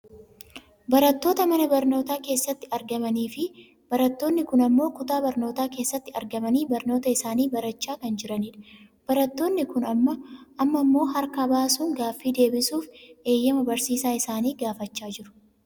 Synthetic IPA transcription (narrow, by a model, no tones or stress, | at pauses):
bɐɾɐt̪ːo̞ːt̪ɐmɐnɐbɐɾno̞ːt̪aːke̞ːsːɐt̪ːɪɐɾɡɐmɐniːfɪ | b̥ɐɾɐt̪ːo̞ːnːɪkʊnɐmːo̞ːkʊt̪aːbɐɾno̞ːt̪aːke̞ːsːɐt̪ːɪɐɾɡɐmɐniːbɐɾno̞ːt̪ɐɪsaːniːbɐɾɐt͡ʃːaːkɐnd͡ʒɪɾɐniːᶑɐ̥ | b̥ɐɾɐt̪ːo̞ːnːɪkʊnɐmːɐʔɐmːɐmːo̞ːɦɐɾkɐbaːsuːŋɡaːfːiːd̪e̞ːbɪsuːfʔe̞ːjːɐmɐbɐɾsiːsaːɪsaːniːɡaːfɐt͡ʃːaːd͡ʒɪɾʊ̥